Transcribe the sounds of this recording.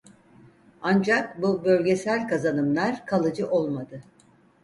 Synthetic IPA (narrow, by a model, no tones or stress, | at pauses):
and͡ʒak̚bubø̞lʲɟe̞sælʲkazanɯmlˠaɾkʰalˠɯd͡ʒɯʔo̞lˠmad̪ɯ